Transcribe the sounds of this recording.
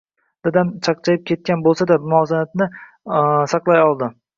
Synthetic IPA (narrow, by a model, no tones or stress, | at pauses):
d̪̥ad̪ant͡ʃʰɑqt͡ʃʰajɪp̚kʲʰe̞t̪̚kʲanbolˠsad̪amʊɒzanat̪nɪ | sɑqlˠajɒlˠd̪ɪ